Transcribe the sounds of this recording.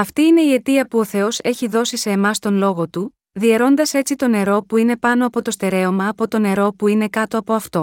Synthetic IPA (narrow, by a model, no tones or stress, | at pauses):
ɐft̪iine̞ie̞t̪iɐpuo̞θe̞o̞se̞çiðo̞sise̞ːmɐst̪o̞nlo̞ɣo̞t̪u | ðie̞ɾo̞nd̪ɐse̞t͡sit̪o̞ne̞ɾo̞puine̞pɐno̞ɐpo̞t̪o̞st̪e̞ɾe̞o̞mɐːpo̞t̪o̞ne̞ɾo̞puine̞kɐt̪o̞ɐpo̞ɐft̪o̞